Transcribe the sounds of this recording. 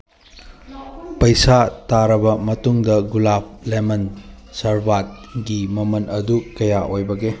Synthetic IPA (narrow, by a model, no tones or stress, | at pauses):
pɐjsataɾɐbɐmɐtuŋdɐɡulap̚ʰlemɐn | sɐɾbat̚ɡimɐmɐnʔɐdukɐjaʔojbɐɡe